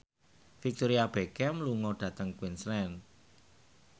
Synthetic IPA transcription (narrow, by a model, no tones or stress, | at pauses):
fik̚t̪oɾiab̥ekɛmluŋɔɖ̪̥ä̤t̪əŋkwinslɛn